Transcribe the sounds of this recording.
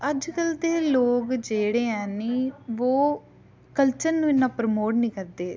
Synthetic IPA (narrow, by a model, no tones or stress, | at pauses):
əd͡ʒkəld̪eːloːkd͡ʒeːɽeːɛ̃ːniːʋoː | kəlt͡ʃəɾnũːɪnːãːpɾmoːʈnĩːkəɾd̪eː